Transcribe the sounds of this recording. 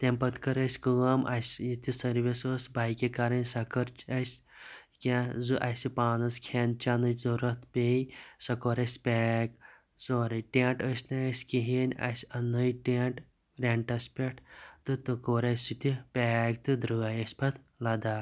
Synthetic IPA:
t̪empɐt̪kɐɾɐsʲkɨːɐmʔɐ̰sʲjit̪isɐɾʋisosbaːjkʲekaɾɐnʲsɐkɐɾt͡ʃɐsʲkʲazuʔasʲipaːnɐskʰen̚t͡ʃanɨzoɾɐt̪pʲejsɐkoːɾɐsʲpʲɛːk | soːɾiʈeːɳʈəsʲnaɐsʲkiɦinʲa̰sʲɐnɨjʈeːɳʈ | ɾeɳʈɐsʲpʲeʈʰt̪ɨt̪ɨkoːɾɐsʲit̪ipʲaːkt̪ɨd̪ɾɨajɐsʲpɐt̪ | lɐd̪aː

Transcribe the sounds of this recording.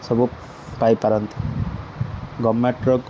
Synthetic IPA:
sʌbʱu | pajpaɾʌnt̪ʰi̥ | ɡɔmːeʈɾɔk

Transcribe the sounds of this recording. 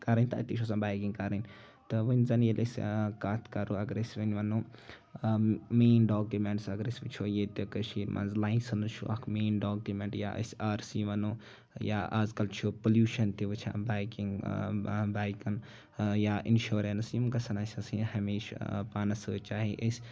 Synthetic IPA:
kɐɾɐnʲt̪ɐɐ̰t̪it͡ʃʰos̬ɐnbajkiŋɡkɐɾinʲ | t̪ɨʋɨnʲzɐnjelʔɐskat̪ʰkɐɾuɐɡɾesiʋinʋɐnuː | meːnɖoːkjumeɳʈsɐɡɾesʋit͡ʃʰojet̪ikɐʃiːɾmʔɐ̰nzlajnsɐnt͡ʃʰṵʔɐkʰmeːnɖoːkjumeɳʈja̰ʔɐ̰sʲaːɾsiʋɐnuː | ja̰ʔazkɐlt͡ʃʰupoljuːʃɐnt̪iʋɨt͡ʃʰa̰baːjkiŋɡ | baːjkɐn | jaʔinʃoːɾensjimɡɐsɐnɐsʲɐsihɐmiːʃpaːnɐsɨːt͡ʃaːɦiʔəsʲ

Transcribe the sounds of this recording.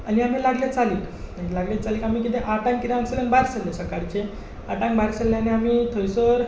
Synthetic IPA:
aniam̤ilaɡljat͡saliːk | laɡlat͡saliːkamiːkit̪eʔaʈãŋkit̪aŋsələ̃ŋbaɾsəlːesəkaɾt͡ɕe | aʈãŋbaɾsəlːaniamiːt̪ʰəjsəɾ

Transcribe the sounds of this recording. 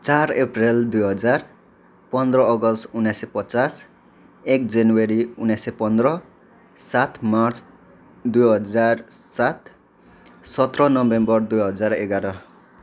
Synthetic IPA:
t͡saɾepreld̪ujɦʌd͡zar | pʌnd̪rʌːɡʌst̪unajsepʌt͡sas | ekd͡zanweɾiunasepʌnd̪ɾʌ | sat̪ʰmart͡s | d̪ujɦʌd͡zarsat̪ | sʌt̪rʌnʌbembʌrd̪ujɦʌd͡zaɾeɡaɾʌ

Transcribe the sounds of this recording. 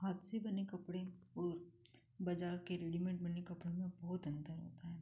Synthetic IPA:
ɦaːt̪sebɐnekɐpɽeɔːɾ | bɐd͡ʒaːɾkeɾeːɖimẽɳʈ̚bɐnekɐpɽemẽbɔːt̪ɐ̃nd̪əɾɦo̰ːt̪aɦɛː

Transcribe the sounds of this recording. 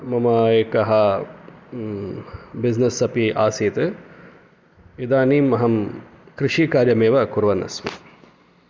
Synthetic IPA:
mɐmɐeːkɐɦɐ | biznɐsɐpiʔaːsiːt̪ɨ | id̪aːniːmːɐɦɐmkɾɪʂiːkaːɾjɐmeːʋɐkuɾʋɐnɐ̰smḭ

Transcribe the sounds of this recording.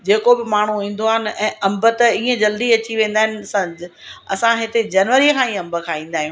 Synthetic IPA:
d͡ʑeːkobɪmaːɳ̤uĩːn̆d̪oaɦɪnɪ̆ɛ̃ːɐ̃mbət̪iːə̃d͡ʑɐld̪iɐt͡ɕiʋẽːn̆d̪aːɪnɪ̆sãɐ̰sãɦɪt̪ed͡ʑɐːnʋəɾikʰãːĩːɐ̃mbə̆kʰãĩːn̆d̪aːɦijũː

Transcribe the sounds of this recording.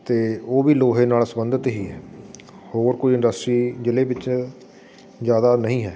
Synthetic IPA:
t̪eːoːʋiːloːɦẽːnaːlsəmənd̪ət̪ɦiːɦɛː | hoːɾkoːiːɪ̃ndəsʈɾiːd͡ʒɪleːʋɪt͡ʃ | zjaːd̪aːnəɦĩːɦɛː

